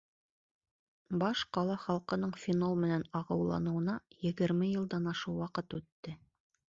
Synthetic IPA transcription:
bɑʃqɑlˠɑχɑlˠqɤ̆nɤɴfʲinolˠmɘ̆nænɑʁɤ̆wlˠɑ̰nɤ̆wɤ̆nɑjɘ̆ɡɘ̆ɾmɘjɤ̆lˠd̪ɑnɑʃɤwɑqɤt̪ʉt̪ːɘ

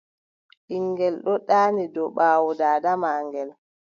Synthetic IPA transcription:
ɗiŋɡɛlɗɔɗaːnidɔɓaːwɔdaːdamaːŋɡɛl

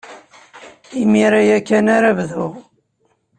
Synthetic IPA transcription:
imiɾajækːænaɾævðuʁ

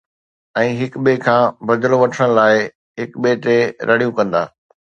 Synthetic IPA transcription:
ɛ̃ːɦɪkɓekʰãːbɐd͡ʑloʋɐʈʰəɽ̃laːɪ | ɦɪkɓeːʈeɾʔɐɽijũkɐ̃nd̪a̰ː

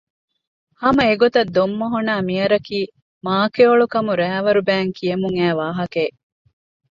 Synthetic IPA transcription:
hɐmɐeɡot̪ɐd̪ːomːɐɦunaːmiɐɾɐkiː | maːkeoɭukɐmuɾæːʋɐɾubæːŋkʰijɐmuŋæːʋaːɦɐkeː

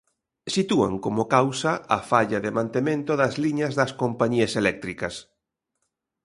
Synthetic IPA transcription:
sit̪ua̰ŋkomokawsɐʔɐfaʎɐðemãnt̪emẽnt̪oðɐzliɲɐzðɐskompaɲiɐselɛk̚t̪ɾikɐs

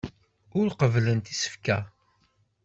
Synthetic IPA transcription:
ʊɾqəvlənt̪isə̥fkæ

